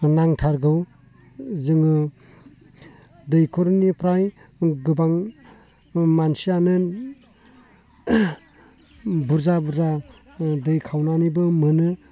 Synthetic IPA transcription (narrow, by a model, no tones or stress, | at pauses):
naŋtʰaɾɡɯw | zɯŋɯ | dɯjkʰɔɾnipʰɾaj | ɡɯbaŋ | mansianɯn | buɾzabuɾza | dɯjkʰawnanibɯmɯnɯ